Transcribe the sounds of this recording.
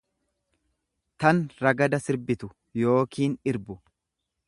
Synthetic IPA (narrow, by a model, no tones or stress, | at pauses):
t̪ɐnɾɐɡɐd̪ɐsɪɾbɪt̪ʊ | jo̞ːkiːnɪɾbʊ